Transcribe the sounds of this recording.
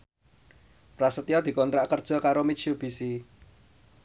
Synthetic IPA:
prasət̪iɔd̪̥i̤kɔnt̪ɾaʔkərd̥ʒ̥ɔ̤kaɾomit͡ʃiob̥i̤si

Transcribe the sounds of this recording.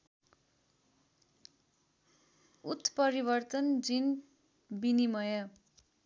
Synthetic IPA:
ut̪ːpʌɾibʌrt̪ʌnd͡zin | binimʌjʌ

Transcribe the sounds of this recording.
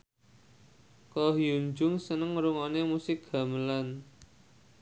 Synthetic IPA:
kɔɦiuɲd͡ʒʊŋsənəŋɾuŋɔnemusɪk̚ɡ̥a̤məlan

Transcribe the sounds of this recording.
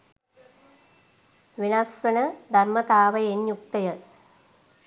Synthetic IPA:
ʋinɐsʋɐnɐd̪ʱɐrmɐt̪aːʋɐjenjuk̚t̪ɐjɐ

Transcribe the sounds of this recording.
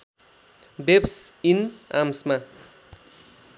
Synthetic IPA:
bepsina̰msma

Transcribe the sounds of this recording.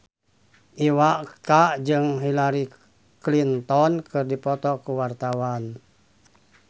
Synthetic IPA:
ʔiwaʔkaʔd͡ʒɨŋɦilaɾi | klint̪ɔnkɨrdipɔt̪ɔkuwart̪awan

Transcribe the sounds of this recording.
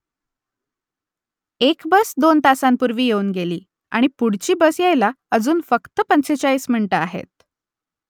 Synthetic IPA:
ekbəsd̪ont̪asampuɾʋiːjeuːnɡeliː | a̰ɽ̃ipuɽt͡ɕiːbəsjejla | əd͡zuːnfəkt̪əpənt͡set͡ɕaiːsm̤iɳʈəaɦḛt̪̚

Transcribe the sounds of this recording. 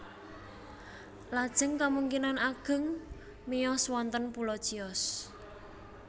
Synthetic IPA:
lad̥ʒ̥ə̤ŋkamuŋkinanaɡ̥ə̤ŋ | mijɔswɔnt̪ənpulɔd̥ʒ̥i̤ɔs

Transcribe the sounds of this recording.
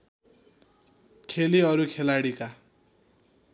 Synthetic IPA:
kʰeliʌɾukʰelaɽika

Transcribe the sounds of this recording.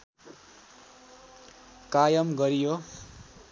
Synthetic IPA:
kajʌmɡʌɾijo

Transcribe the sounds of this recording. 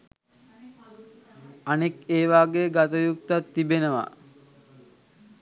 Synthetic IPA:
anekeːʋaːɡeɡat̪əjukt̪at̪ːibenəʋa̰

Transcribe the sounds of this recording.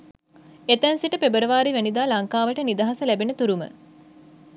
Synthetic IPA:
et̪ænsiʈəpebəɾəʋaːɾiʋænid̪aːlaŋkaːʋəʈənid̪aɦasəlæbenət̪uɾumə̰

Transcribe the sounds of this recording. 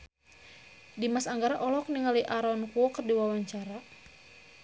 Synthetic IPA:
dimasaŋɡaɾaʔɔlɔk̚niŋaliʔaɾɔnkuɔkərdiwawaɲt͡ʃaɾa

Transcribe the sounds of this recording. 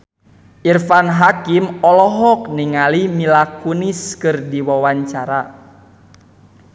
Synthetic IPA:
ʔirfanɦakimɔlɔɦɔk̚niŋalimilakuniskɨrdiwawaɲt͡ʃaɾa

